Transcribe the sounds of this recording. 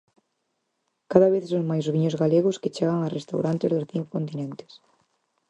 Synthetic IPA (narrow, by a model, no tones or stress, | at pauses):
kaðaβeθsõŋmajzβiɲʊzɣaleɣʊsket͡ʃeɣ̞aŋasrest̪awɾant̪ezðʊsθiŋkokont̪inẽnt̪ɪ̥s